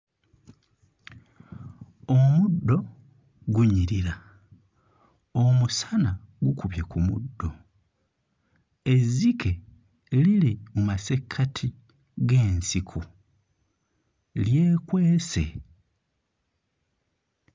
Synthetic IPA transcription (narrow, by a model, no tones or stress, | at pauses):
omudːo̞ | ɡuɲiɾiɾa | omusana | ɡukuβjekumudːo̞ | e̞zikʰe̞ | lilimumase̞kʰːatʰi | ɡe̞ːnsikʰu | lje̞ːkwe̞ːsḛ